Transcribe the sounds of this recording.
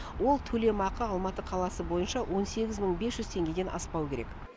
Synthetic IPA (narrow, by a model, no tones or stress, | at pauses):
wo̞lˠt̪ʰɵle̞mɑqəɑlˠmɑt̪əqʰɑlˠɑsəbo̞jənʃɑwʔo̞nse̞ɡʲɪzməɴbe̞sʒʏzt̪ʰe̞ŋɡʲe̞d̪e̞nʔɑ̰spɑwəkʲe̞ɾe̞̰k